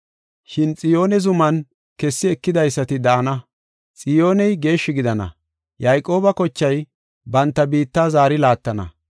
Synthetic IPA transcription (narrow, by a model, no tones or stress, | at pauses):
ʃɪnt͡sʼɪjo̞ːnɛzʊmɐn | kɛsːɪɛkːɪd̪ɐjsːɐt̪ɪd̪ɐʔɐnɐ | t͡sʼɪjo̞ːnɛjɡe̞ːʃːɪɡɪd̪ɐnɐ̰ | jɐjkʼo̞ːbɐkɔt͡ʃːɐj | bɐnt̪ːɐbiːt̪ːaːzaːɾɪlaːt̪ːɐnɐ̰